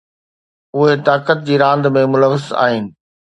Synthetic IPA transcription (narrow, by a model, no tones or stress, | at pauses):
ʊɦet̪aːkət̪̚d͡ʑiːɾãːnd̪mẽmʊləʋəza̰ːɦɪnɪ̆